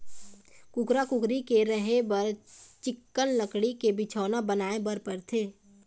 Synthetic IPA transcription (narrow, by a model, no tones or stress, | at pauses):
kʊkɾakʊkɾikeɾəɦebəɾt͡ʃɪkːənləkɽikebɪt͡ʃʰaːnabənaːebəɾpəɾt̪ʰeː